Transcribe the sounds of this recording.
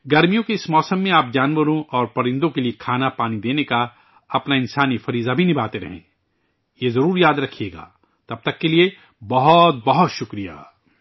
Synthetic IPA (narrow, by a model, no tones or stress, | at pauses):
ɡɐɾmijõkeɪsmɔːsəmːẽaːp̚d͡ʒaːnʋəɾõʔɔːɾpɐɾɪ̃nd̪õkeliekʰaːnapaːnid̪eːneka | ɐpnaɪ̃nsaːnifɐɾiːzabʱinɪbʱaːt̪eɾɐ̰ɦḛ̃ː | jezɐɾuːɾjaːd̪ɾɐkʰijeːɡa̰ː | t̪ɐb̚t̪ɐkːelie | bɐɦɔt̪̚bɐɦɔt̪ʃʊkɾija̰ː